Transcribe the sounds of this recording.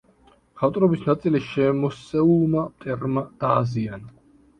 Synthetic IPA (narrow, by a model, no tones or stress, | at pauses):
χaft̪ʼɾɔbisnat̪sʼiliʃɛmɔsɛumat̪ʼɛɾmad̪̥aːziana